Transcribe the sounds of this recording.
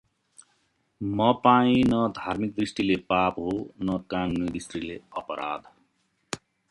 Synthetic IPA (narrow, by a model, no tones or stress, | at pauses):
mʌpaĩnʌd̪ʱaɾmik̚d̪ɾisʈilepapɦonʌkannʌd̪ist̪ɾileʌpʌɾʔa̰d̪ʱ